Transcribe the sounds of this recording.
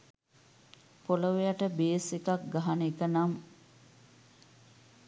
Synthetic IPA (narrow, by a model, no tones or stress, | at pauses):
poləʋejaʈəbeːsekak̚ɡaɦanəikənam